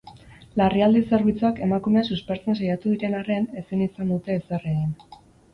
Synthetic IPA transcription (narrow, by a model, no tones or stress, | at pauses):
lariald̪ise̞ɾβit͡suake̞makume̞asuspe̞ɾt͡se̞nsajat̪uðiɾe̞nare̞ne̞sinisand̪ut̪e̞ːsereɣin